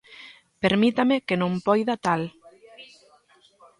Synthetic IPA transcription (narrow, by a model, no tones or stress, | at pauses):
peɾmit̪amekenõmpɔjðat̪al